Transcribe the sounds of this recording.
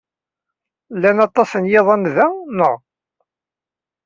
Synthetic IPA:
lːænɑt̪ˤːɑsənjeðˤænðænəʁ

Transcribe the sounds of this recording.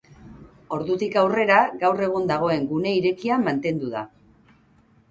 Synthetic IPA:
o̞ɾðut̪ikawre̞ɾaɣawre̞ɣ̞und̪aɣ̞o̞e̞ŋɡune̞iɾe̞kiamant̪e̞nd̪uða̰

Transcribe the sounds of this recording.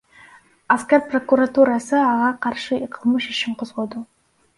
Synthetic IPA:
askʲaɾpro̞kuɾat̪uɾɑsɯɑʁɑqʰɑɾʃɯiqʰəlˠmɯʃiʃimqʰozʁo̞d̪u

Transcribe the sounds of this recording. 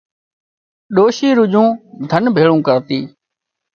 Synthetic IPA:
ɗoːʃiːɾʊd͡ʒũːd̪ʱənbʱeːɭũːkəɾt̪iː

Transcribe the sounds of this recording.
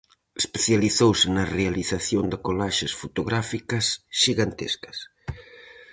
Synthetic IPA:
espeθjaliθowsɪnɐrealiθaθjond̪ɪkolaʃɪsfot̪oɣɾafikɐsʃiɣant̪ḛskɐ̥s

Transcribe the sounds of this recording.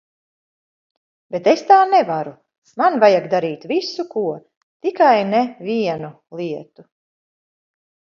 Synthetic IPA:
bet̪est̪aːnɛvaɾu | manvajaɡd̪aɾiːt̪visukuɔ | t̪ikajnɛvʲiɛnu | lˠiɛt̪u

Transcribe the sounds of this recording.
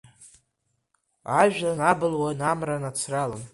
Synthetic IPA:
aʒᶣanabɨlwanamranat͡sʰralɨn

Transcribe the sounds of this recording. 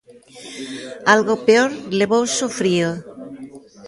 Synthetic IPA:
alɣopeoɾleβowsofɾio

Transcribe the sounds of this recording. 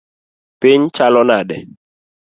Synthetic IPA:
pɪɲt͡ʃalɔnaɗɛ

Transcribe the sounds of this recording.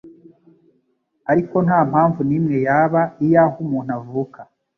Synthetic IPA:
aɾiko̞n̥haːm̥haːɱvuniːmŋe̞jaːβaijahumuːn̥havuka

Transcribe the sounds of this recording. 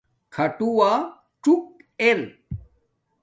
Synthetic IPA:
kʰɐʈuwa | t͡ʃuk̚ | eɾ

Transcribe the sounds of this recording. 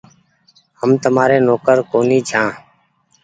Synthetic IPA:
həmt̪əmaːɾeːnoːkəɾkoːniːd͡ʒʱʰãː

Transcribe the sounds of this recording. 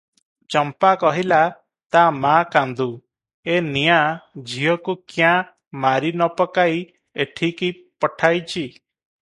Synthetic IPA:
t͡ʃɔmpakɔɦila | t̪amakand̪u | enijad͡ʒiɔkukjã | maɾinɔpɔkaj | eʈʰiki | pɔʈʰajt͡ʃʰi

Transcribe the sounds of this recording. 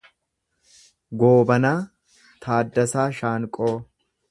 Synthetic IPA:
ɡoːbɐnaː | t̪ʰaːd̪ːɐsaːʃaːŋkʼoː

